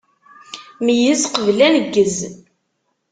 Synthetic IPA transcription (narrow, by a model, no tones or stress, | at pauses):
mijəsqəvlænəɡːəz